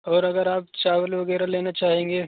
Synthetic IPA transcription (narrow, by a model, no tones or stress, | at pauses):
ɔːɾɐɡəɾaːp̚t͡ʃaːʋəlʋɐɡɛːɾaleːnat͡ʃaːɦẽːŋɡeː